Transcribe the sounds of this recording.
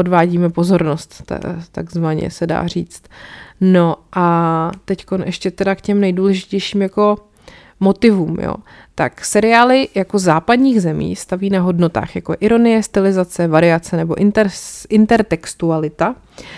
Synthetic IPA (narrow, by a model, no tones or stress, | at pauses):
odvaːɟiːmɛpo̞zo̞ɾno̞st̪t̪a̰ɡzvaɲɛ̰sɛda̰ːr̝ḭːt͡st̪no̞ʔat̪ɛcko̞nʔɛʃcɛt̪ɛdakcɛmnɛjduːlɛʒɪcɛjʃiːmjako̞ | mo̞t̪ɪvuːmjo̰ | t̪aksɛɾɪaːlɪjako̞zaːpadɲiːɣzɛmḭːst̪aviːnaɦo̞dno̞t̪a̰ːxjako̞ʔɪɾo̞nɪjɛst̪ɪlɪzat͡sɛvaɾɪat͡sɛnɛbo̞ʔɪnt̪ɛɪnt̪ɛɾt̪ɛkst̪ualɪt̪a